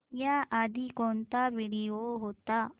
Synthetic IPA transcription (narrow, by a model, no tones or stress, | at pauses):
jaʔɐd̪ikɔnt̪aʋiɽijoɦot̪ːa